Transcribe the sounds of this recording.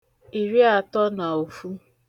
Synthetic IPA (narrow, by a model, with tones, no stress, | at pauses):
i˨ɾi˦a˨tɔ˦na˨o˨fu˦